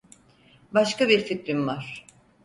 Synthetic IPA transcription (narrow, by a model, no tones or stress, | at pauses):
baʃkabiɾfit̪ɾimvaɾ̥